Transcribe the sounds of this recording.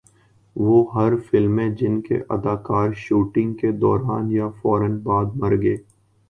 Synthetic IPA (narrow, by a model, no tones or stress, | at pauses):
ʋoːɦɐɾfɪlmẽd͡ʒɪnkḛʔɐ̰d̪aːkaːɾʃuːʈɪ̃ŋɡked̪ɔːɾaːnjafɔːɾənbaːd̪mɐɾɡeː